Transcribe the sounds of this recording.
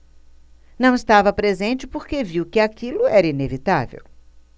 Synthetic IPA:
nɐ̃w̃ɪst̪avɐpɾezẽnt͡ʃɪpoɾkeviwkɪakilʊɛɾɐinevit̪a̰vḛw

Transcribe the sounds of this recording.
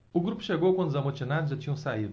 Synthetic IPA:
ʊɡɾupʊ̥ʃeɡowkwɐ̃nd̪zamot͡ʃinad̪zʒat͡ʃĩɲɐ̃w̃said̪

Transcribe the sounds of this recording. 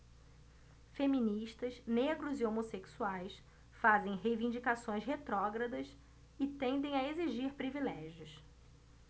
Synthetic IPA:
femĩniʃt̪ɐzneɡɾʊzɪomoseksuajs | fazẽj̃ɦejvĩd͡ʒikasõj̃sɦet̪ɾɔɡɾɐd̪ɐs | ɪt̪ẽnd̪ẽj̃ɐeziʒiɾpɾivilɛʒjʊs

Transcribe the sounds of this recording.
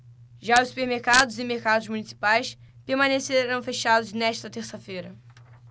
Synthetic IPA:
ʒaʊsu̥peɾmeɾkad̪ʊzɪmeɾkad̪ʊzmunisi̥pajspeɾmɐ̃neseɾɐ̃w̃feʃad̪ʊznɛʃt̪ɐt̪eɾsɐfejɾɐ

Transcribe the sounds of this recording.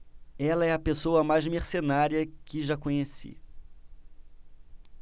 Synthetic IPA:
ɛlɐɛɐpesowɐmajzmeɾsenaɾiɐkɪʒakõɲesḭ

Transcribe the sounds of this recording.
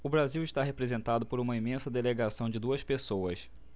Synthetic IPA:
ʊbɾaziwɪʃt̪aɦepɾezẽnt̪ad̪ʊpoɾũmɐimẽsɐd̪eleɡasɐ̃w̃d͡ʒɪd̪uɐspesowɐs

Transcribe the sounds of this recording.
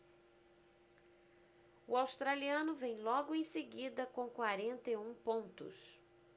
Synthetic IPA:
ʊawst̪ɾaliɐ̃nʊvẽj̃lɔɡʊẽj̃seɡid̪ɐkõw̃kwaɾẽnt̪ejũpõnt̪ʊ̰s

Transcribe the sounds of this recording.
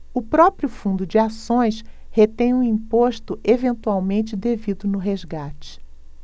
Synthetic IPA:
ʊpɾɔpɾjʊfũnd̪ʊd͡ʒɪasõj̃s | het̪ẽj̃ũĩpoʃt̪ʊʔevẽnt̪uawmẽnt͡ʃɪd̪evid̪ʊnʊɦezɡat͡ʃɪ̥

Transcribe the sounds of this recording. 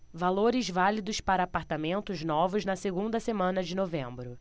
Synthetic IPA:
valoɾɪzvalid̪ʊspaɾɐːpaɾt̪amẽnt̪ʊznɔvʊznɐseɡũnd̪ɐsemɐ̃nɐd͡ʒɪnovẽmbɾʊ

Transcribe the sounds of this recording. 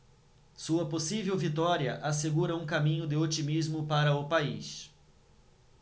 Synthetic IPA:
suɐposivewvit̪ɔɾiɐʔas̬eɡuɾɐũkamĩɲʊd̪ɪot͡ʃimizmʊpaɾɐʊpaḭʃ

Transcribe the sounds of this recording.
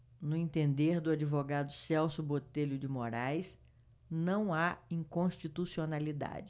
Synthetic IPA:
nʊẽnt̪ẽnd̪eɾd̪ʊad͡ʒivoɡad̪ʊsɛwsʊbot̪eʎʊd͡ʒɪmoɾajs | nɐ̃w̃aĩŋkõʃt͡ʃit̪usionalid̪a̰d͡ʒɪ

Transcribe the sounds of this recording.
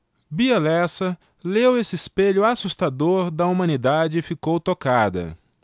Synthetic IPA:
biɐlɛsɐ | lewesɪːspeʎʊasust̪ad̪oɾd̪ɐumɐ̃nid̪ad͡ʒɪfikowt̪okad̪ɐ̰

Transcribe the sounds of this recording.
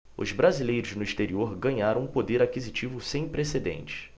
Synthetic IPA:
ʊ̰zbɾazilejɾʊznʊiʃt̪eɾioɾɡɐ̃ɲaɾɐ̃w̃ũpod̪eɾakizit͡ʃivʊsẽj̃pɾesed̪ḛ̃nt͡ʃɪ̥s

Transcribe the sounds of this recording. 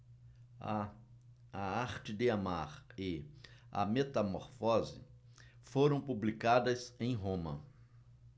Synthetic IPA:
ɐaɾt͡ʃɪd̪ɪamaɾɪɐ̰met̪ɐmoɾfɔzɪ̰ | foɾɐ̃w̃publikad̪ɐsẽj̃ɦõmɐ̰

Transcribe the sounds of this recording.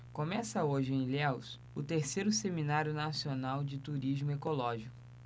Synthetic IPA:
kõmɛsɐoʒɪẽj̃lɛws | ʊt̪eɾsejɾʊseminaɾjʊnasionawd͡ʒɪt̪uɾizmʊekolɔʒikʊ

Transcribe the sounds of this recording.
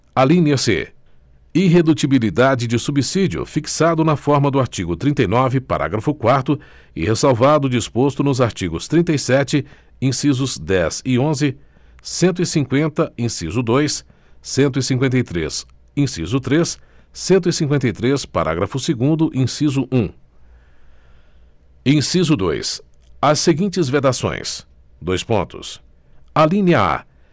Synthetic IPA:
alĩniɐsḛ | iɦed̪ut͡ʃibilid̪ad͡ʒɪd͡ʒɪsubisid͡ʒiʊ̰fiksad̪ʊnɐfɔɾmɐd̪ʊaɾt͡ʃiɡʊt̪ɾĩnt̪ejnɔvɪpa̰ɾʔa̰ɡɾɐfʊkwaɾt̪ʊ | ɪhesawvad̪ʊd͡ʒispost̪ʊnʊzaɾt͡ʃiɡʊst̪ɾĩnt̪ɐjsɛt͡ʃɪ | ĩsizʊzd̪ɛzɪõzɪ | sẽnt̪̬ʊisĩŋkwẽnt̪ɐĩsḭzʊd̪ojsː | ẽnt̪̬ʊisĩŋkwẽnt̪̬ɐjt̪ɾḛs | ĩsḭzʊt̪ɾessẽnt̪̬ʊisĩŋkwẽnt̪̬ɐjt̪ɾespa̰ɾʔa̰ɡɾɐfʊseɡũnd̪ʊʔĩsizʊʔũ | ẽsizʊd̪ojs | ɐsːeɡĩnt͡ʃɪzved̪asõ̰j̃s | d̪ojspõ̰nt̪ʊ̰s | alĩɲɐa̰

